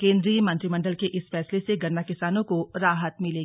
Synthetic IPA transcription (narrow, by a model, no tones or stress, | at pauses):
kẽːnd̪ɾimɐ̃nt̪ɾimɐ̃ɳɖəlkeʔɪsfɛːsleseɡɐɾnːakɪsaːnõkoɾaːɦət̪mɪleːɡiː